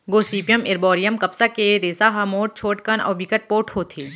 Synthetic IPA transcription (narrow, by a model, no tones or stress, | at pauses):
ɡoːsiːpijəmɪɾbɔːɾijəmkɐpsakeɾeːsaɦɐmoːʈ̚t͡ʃʰoːʈkɐnɔ̰ːbikəʈ̚poːʈhoːt̪ʰiː